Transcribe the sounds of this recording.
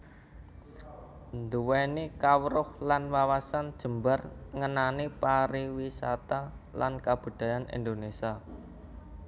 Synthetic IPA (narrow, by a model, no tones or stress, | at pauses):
nd̪uwɛnikawɾʊhlanwawasand̥ʒ̥ə̤mbarŋənanipaɾiwisa̰t̪alankab̥ṳd̪̥a̤janḭnd̪onesia